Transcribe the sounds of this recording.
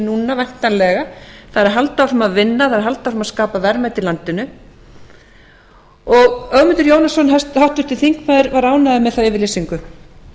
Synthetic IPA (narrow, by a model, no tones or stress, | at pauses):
nuːnavajn̥t̪anlɛɣaθaðɾaɾɦalt̪awfɾʏmaðvɪnːaaðɾɦalt̪afɾʏmaskaːpavɛɾmajt̪ɪlant̪ɪnʏ | ɔɣœɣmɪnt̪ʏɾjoːwnasɔnɦast̪hawht̪ʏɾ̥t̪ʰɪlθiŋkmaðɪɾvaɾaːwnaðɪmɛðθawɪvɪɾleːsiŋkʏ